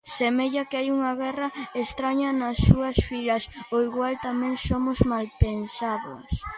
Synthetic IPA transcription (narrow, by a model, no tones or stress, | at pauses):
semeʎɐkɪajuŋɐɣɛrɐest̪ɾaɲɐnɐsːuɐsfilɐsoiɣwalt̪amɛ̃ŋsomʊzmalpensaðʊ̰s